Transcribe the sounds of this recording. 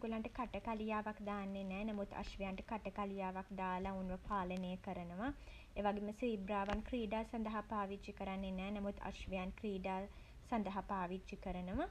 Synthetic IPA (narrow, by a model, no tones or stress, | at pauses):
ɡulaɳʈəkaʈəkalijaːʋakd̪aːnːenɛːnamut̪a̰ʃʋijaɳʈəkaʈəkalijaːʋakd̪aːlaunʋəpaːlənejəkəɾənəʋa | eʋaɡeməsiːbɾaːʋankriːɖaːsɐnd̪ɐɦapaːʋit͡ʃikəɾanːenɛːnamut̪a̰ʃʋijankriːɖaː | sɐnd̪əɦapaːʋitt͡ʃikəɾənəʋa